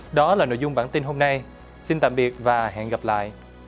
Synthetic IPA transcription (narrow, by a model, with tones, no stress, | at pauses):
ɗɔ˨˦laː˨˩no̰˧˨jzʊ˧ŋ͡mɓaː˧˩nt̪i˧nɦo˧mna˧j | si˧nt̪a̰ː˧˨mɓi˨˩ət̚vaː˨˩ɦa̰ː˧˨nɣa˨˩p̚la̰ː˧˨jʔ